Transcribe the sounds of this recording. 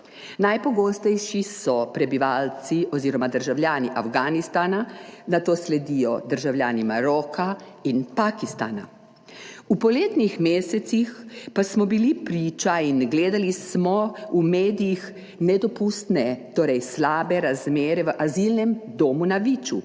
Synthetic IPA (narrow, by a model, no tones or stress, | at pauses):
najpɔɡoːst̪ɛjʃisɔpɾɛbiʋaːlt̪t͡ssiʔɔziːɾɔmad̪əɾʒawljaːniʔafɡaːnist̪aːnanat̪oːslɛd̪ijɔd̪əɾʒawljaːnimaɾɔːkʰa | inpaːkist̪a̰ːna̰ | upɔleːt̪nixmeːsɛt̪sixpasmɔbilipɾiːt͡ʃainɡleːd̪alismɔumeːd̪ijix | nɛd̪ɔpust̪nɛt̪oːɾɛjslaːbɛɾazmeːɾɛʋəʔazilnɛmd̪oːmunaʋiːt͡ʃu